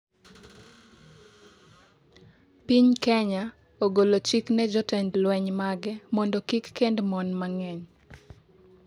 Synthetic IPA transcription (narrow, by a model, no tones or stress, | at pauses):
piɲkɛɲa | oɡolot͡ʃiknɛd͡ʒɔtɛndlwɛɲmaɡɛmɔndɔkikːendmɔnmaŋɛɲ